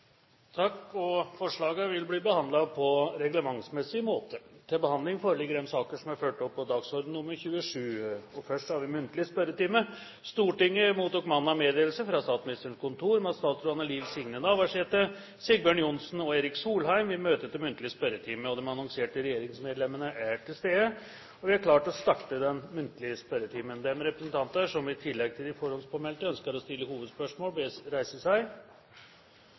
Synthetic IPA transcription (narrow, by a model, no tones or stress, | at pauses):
t̪ʰɑkːɔfɔʂɭɑːɡəʋɪlbliːbəhɑnd̪lɑpʰɔɾɛɡləmɑŋsmɛsːɪmoːt̪ʰət̪ʰɪlbəhɑnd̪lɪŋfoːɾəlɪɡːəɾɛmsɑːkəʂɔmæɾføːʈɔpːɔd̪ɑːɡsɔɾd̪n̩ːʊmːəɾçʉːəʂʉːɔfœʂʈhɑɾʋɪmʉnt̪lɪəspœɾət̪iːmə | st̪uːʈɪŋːəmuːt̪uːkmɑnːɑmeːd̪eːlsəfɾɑst̪ɑːt̪smɪnɪst̪əəɳkʊnt̪ʰuːɾmɛɑt̪st̪ɑːt̪sɾʊɑnːəliːʋsɪŋnənɑʋæʂeːt̪ːə | sɪɡ̚bjøːɳjʊnsn̩ɔeːɾɪksuːlɦæɪmʋɪmøːt̪ət̪̚ɛmʉnt̪əlɪəspœɾət̪ʰiːməɔd̪ɛmɑnɔŋseːʈəɾɛjeːɾɪŋsmeːd̪lɛmːənəʔæʈʰɪlst̪eːd̪ə | ɔʋɪæɾkʰlɑːʈɔst̪ɑkt̪əd̪ɛnmʉnt̪əlɪəspœɾət̪ʰiːmənd̪ɛmɾɛpɾəsnt̪ʰɑnt̪əʂɔmʋɪt̪ʰɪlːɛɡ̚t̪ʰɪlɪfɔɾɔnspʰɔmɛlt̪əœnskəɾɔst̪ɪlːəhuːʋəd̪spœʂmoːlbeɾæɪsəsæɪ